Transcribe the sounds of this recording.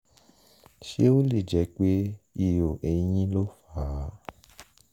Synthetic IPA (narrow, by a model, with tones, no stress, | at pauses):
ʃe˦o˦li˦˨d͡ʒɛ˨˦k͡pe˦i˨jo˨ʔe˨˦ɲĩ˦lo˦fa˨˦˨